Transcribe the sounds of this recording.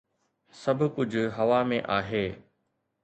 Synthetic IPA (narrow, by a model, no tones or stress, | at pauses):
sɐbʱʊ̆kʊd͡ʑʱʊɦɐʋamẽʔaːɦeː